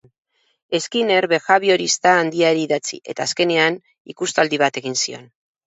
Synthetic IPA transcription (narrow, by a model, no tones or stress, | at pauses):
e̞skine̞ɾβe̞xaβio̞ɾist̪aːnd̪iaɾiːðat͡sḭʔe̞t̪aːske̞ne̞an | ikust̪ald̪iβ̞at̪e̞ɣ̞insio̞̰n